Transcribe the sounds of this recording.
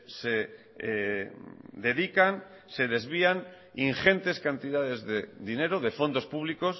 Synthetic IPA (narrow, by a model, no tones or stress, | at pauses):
se | ðe̞ðikan | se̞ð̞e̞zβian | iŋxe̞nt̪e̞skant̪iðaðe̞zðeðine̞ɾoðe̞fo̞nd̪o̞spuβ̞liko̞s